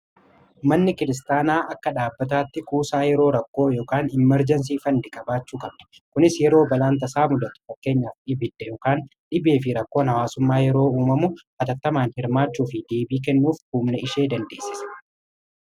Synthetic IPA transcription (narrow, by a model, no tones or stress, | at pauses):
mɐnːɪkɪɾɪs̬t̪aːnaːʔɐkːɐᶑaːbːɐt̪aːt̪ːɪkuːsaːjɛɾo̞ːɾɐkːo̞ːjo̞ːkaːnɪmːɛɾd͡ʒɐns̬iːfɐnd̪ɪkʼɐbaːt͡ʃːuːkʼɐbd̪ɐ̥ | kʊnɪsjɛɾo̞ːbɐlaːnt̪̬ɐsaːmʊd̪ɐt̪ʊ̥fɐkːe̞ːɲːaːfᶑɪbɪd̪ːɛjoːkaːnᶑɪbe̞ːfɪɾɐkːo̞ːnhɐwaːsʊmːaːjɛɾo̞ːuːmɐmʊ | ɐt̪ɐt̪ːɐmaːnhɪɾmaːt͡ʃːuːfɪd̪e̞ːbiːkɛnːuːfhuːmnɛɪʃe̞ːd̪ɐnd̪e̞ːsːɪsɐ̥